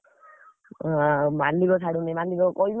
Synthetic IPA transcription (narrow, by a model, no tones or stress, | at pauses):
mand̪iɡɔsʰaɽunimand̪iɡɔkɔjm